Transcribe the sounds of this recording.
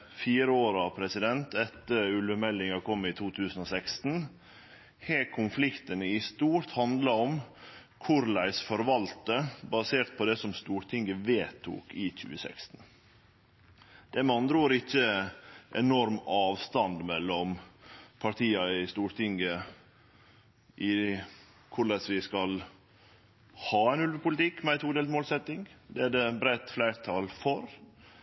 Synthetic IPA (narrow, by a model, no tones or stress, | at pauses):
fiːɾəoːɾɑʋpʰɾɛsɪd̪ɛnt̪ʰɛt̪ːəɾʉlʋəmɛlːɪŋɑkʰɔmːɪt̪ʰuːt̪ʰʉːsən̩ɔsɛkst̪n̩ | heːkʰʊnflɪkt̪ənəɪst̪uːɾt̪hɑnd̪lɑɔm | kʰʊɾlæɪsfɔɾʋɑlt̪əbɑseːɾʈ̪̚pʰɔd̪ɛsɔmst̪uːɾʈ̪ʰɪŋːəʋeːt̪ʰṵːkɪc͡çʉ̰ːəsɛ̰kst̪n̩ | d̪̥ɛmɑnd̪ɾoːɾɪçːəʔɛnɔɾmɑːʋst̪ɑnd̪mɛlːɔmpʰɑʈ̪ʰiːɑɪst̪uːɾʈ̪ɪŋɡə | ʔɪ | kʰʊɭɛsʋɪskɑl | hɑːæɪnʉlʋəpʊlɪt̪ɪkːmɛæɪt̪ʰuːd̪eːlmoːlsɛt̪ːɪŋd̪ɛæɖɛbɾæɪt̪flæɪɾt̪ʰɑːlfɔɾ